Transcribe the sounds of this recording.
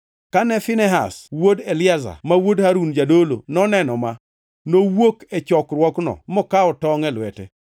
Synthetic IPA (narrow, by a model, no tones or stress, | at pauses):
kanɛfɪnɛɦa̰swodelɪaza̰mawodhaɾund͡ʒadolo̰nɔnɛnɔma | nowoket͡ʃɔkrwɔknɔ̰mɔkaɔtɔŋɛlwɛtɛ